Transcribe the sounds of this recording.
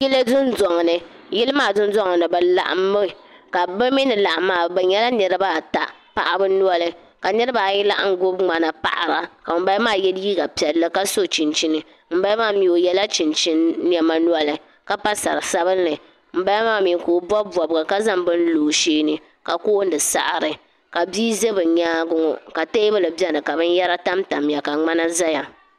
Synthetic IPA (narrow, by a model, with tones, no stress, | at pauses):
ji˦lɨ˦zʊ˦n˦zɔ˨ŋ˨nɨ˨ | jɪ˦lɨ˦maː˦˨zʊ˦n˦zɔ˦ŋ˨nɨ˨ba˨la̰˨ʔa̰˨˦mːɨ˦˨ka˨bɨ˦mi˦nɨ˨la˨ʔa˨maː˨ba˨ɲɛ˦la˦nɨ˨ɾɨ˦ba˦˨ta̰˨ | pa̰˨ʔa˨bɨ˦nu˦ɔ˦lɨ˦ | ka˨nɨ˦ɾɨ˦baː˨ji˦la˦ʔŋ˦ɡʊ˦bŋ͡ma˨na˨pa̰˨ʔa̰˨ɾa˨ka˨m̩˨ba˦jmaː˦˨jɛ˦di˦ɡa˨pi˨ɛ˨lːɨ˦ka˦so˦t͡ʃi˨nt͡ʃi˦nɨ˨ | m̩˦ba˦maː˦˨mi˨o˨jɛ˦la˦t͡ʃi˨nt͡ʃi˦nː˦ɛ˨ma˦nu˦ɔ˦lɨ˨ | ka˦pa˦sa˨ɾɨ˨sa˦bɨ˦nːɨ˨ | m̩˨˦ba˦maː˦˨mi˨koː˨bɔ˦bu˨a˨bɨ˨ɡa˨ka˦za˦ŋbɨ˦n˦loː˨ʃeː˦nɨ˨ | ka˨koː˦n˦dɨ˨sa̰˦ʔɾɨ˨ | ka˨biː˦ze˦bɨ˨ɲaː˦ɡʊ˦ŋɔ̰˨ka˨te˦bɨ˦lɨ˨bɛ˦nɨ˨ka˨bɨ˦n˦jɛ˦ɾa˦ta˦mta˨mja˨ka˨ŋ͡ma˦na˦za˦ja˨